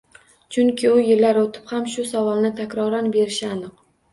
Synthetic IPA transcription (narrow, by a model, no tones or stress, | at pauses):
t͡ʃʰʊŋkʲʰɪʊjɪlːaɾot̪ʰɪ̥phamʃʊsavɒlˠnɪt̪ʰakʲɾɒɾanbe̞ɾɪʃanɨq